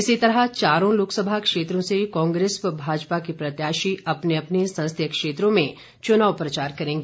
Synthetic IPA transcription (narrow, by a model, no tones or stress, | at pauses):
ɪsit̪ɐɾɦət͡ʃaːɾõloːksəbʱakʃeːt̪ɾõsekɔ̃ːŋɡɾeːsʋəbʱaːd͡ʒpakipɾɐt̪jaːʃiɐpneɐpnesɐ̃ñst̪ʰjəkʃeːt̪ɾõmẽ | t͡ʃʊnaːʋpɾɐt͡ʃaːɾkɐɾẽːŋɡeː